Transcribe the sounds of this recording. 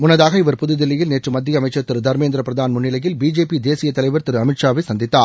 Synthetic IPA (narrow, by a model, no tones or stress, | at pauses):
mʊnːɐðaːɣɐɪʋɐɾpʊðʊðɪlːɪjɪlneːʈrɯmɐd̪ːɪjɐmɐɪt͡ʃːɐɾt̪ɪɾɯd̪ʱɐɾmeːnd̪ɾɐpɾɐðaːnmʊɳːɪlɐjɪlbiːd͡ʒeːpid̪eːsɪjɐt̪ːɐlɐɪʋɐɾt̪ɪɾɯɐmɪʈʂaːʋɐsɐnd̪ɪt̪ːaːɾ